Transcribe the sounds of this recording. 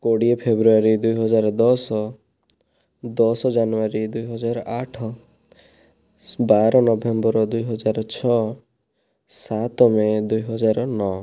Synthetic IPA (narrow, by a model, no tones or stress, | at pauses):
koɽiepʰebɾuaɾid̪ujɦɔd͡ʒaɾɔd̪ɔsɔ | d̪ɔsɔd͡ʒanuaɾid̪ujɦɔd͡ʒaɾɔʔaʈʰɔ | baɾɔnɔbʱembɔɾɔd̪ujɦɔd͡ʒaɾɔt͡ʃʰɔ | sat̪ɔmed̪ujɦɔd͡ʒaɾɔnɔ